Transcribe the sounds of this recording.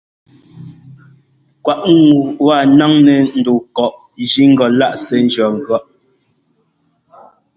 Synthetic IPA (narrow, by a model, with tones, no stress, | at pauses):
kwa˨ʔŋ˨wa˦˨na˦ŋnɛ˨n̩˨do˨kɔ˨ʔ | d͡ʒi˦ŋ̩˦ɡɔ˨la˦ʔsɛ˨n̩˦d͡ʒjɔ˨ŋ̩˨ɡɔ˦ʔ